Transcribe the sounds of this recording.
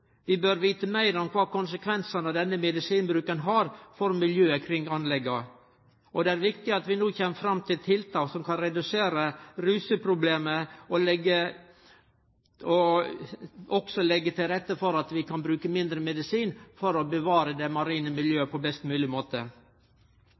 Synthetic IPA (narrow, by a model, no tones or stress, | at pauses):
ʋɪbøɾʋiːt̪əmæɪɾɔmkʰʋɑːkʊnsəkʰʋɛnsɑnəd̪ɛnːəmɛd̪ɪsiːnbɾʉːkənɦɑɾfɔɾmɪljøːəkʰɾɪŋːɑnlɛɡːɑ | ʔɔd̪ɛæɾʋɪkt̪ɪɑt̪ʋɪnuːçɛmːəfɾɑmːt̪ʰɪlt̪ʰɪlt̪ʰɑːksɔmkʰɑnɾɛd̪ʉseːɾəɾʉːsəpʰɾʊbleːməɔlɛɡə | ɔ | ʔɔksɔlɛɡːət̪ʰɪlɾɛt̪ːəfɔɾɑt̪ʋɪkʰɑnbɾʉːkəmɪnd̪ɾəmɛd̪ɪsiːnfɔɾɔbəʋɑːɾəd̪ɛmɑɾiːnəmɪljøːəpʰɔbɛst̪mʉːlɪmoːt̪ə